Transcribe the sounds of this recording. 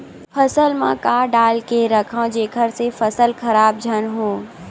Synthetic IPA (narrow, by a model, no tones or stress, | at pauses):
fʰɐsəlmã̰kaːɖaːlkeɾɐkʰãd͡ʒeːkʰəɾsefɐsəlkʰɐɾaːbd͡ʒʱənɦõː